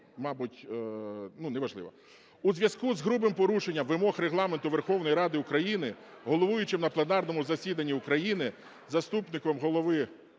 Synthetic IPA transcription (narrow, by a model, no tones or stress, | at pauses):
mɑbʊtʲ | nunɛʋɐʒlˠɪ̰ʋɐ | uzʲʋʲjɐskuzɦɾubɪmpɔɾuʃe̞nʲːɐmʋɪmɔxreɦlˠɑment̪ʊʋe̞rxɔwnɔjiɾɑd̪ɪʊkɾɐjinɪɦɔlˠɔʋujʊt͡ʃɪmnɐplˠenɑrnɔmʊzɐsʲid̪ɐnʲːiʊkɾɐjinɪ | zɐst̪upnɪkɔmɦɔlˠɔʋɪ